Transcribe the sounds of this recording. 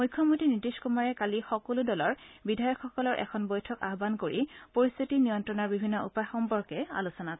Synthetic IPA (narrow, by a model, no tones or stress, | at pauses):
mujkʰjɔmutinɹitiskumaɹɛkalixɔkoludɔlɔɹbidʱajɔkxɔkɔlɔɹʔɛ̰kʰɔnbɔjtʰɔka̰ɦɔbankoɹipoɹist̪ʰitinijɔntɹɔnaɹbibʱinːɔupaxɔmpɔɹkɛa̰lusɔna